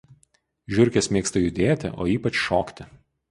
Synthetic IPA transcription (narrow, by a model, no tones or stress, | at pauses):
ʒʲʊɾʲˑkʲɛsmʲeːkst̪ɐjʊd̪ʲeːt̪ʲɪ̰ʔo̰ːiːpɐt͡ʃʃoːkt̪ʲɪ